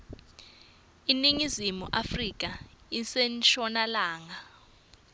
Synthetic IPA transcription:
iniŋizimuʔafrik̬ʼaisent͡ʃɔnalaːŋa

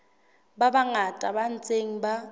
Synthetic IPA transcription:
babaŋatʼaban̩t͡sʼeŋ̩ba

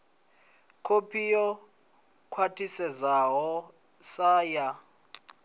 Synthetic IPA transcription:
kʰopʰijɔ | kʰwatʰisɛzaɦɔ | saːja

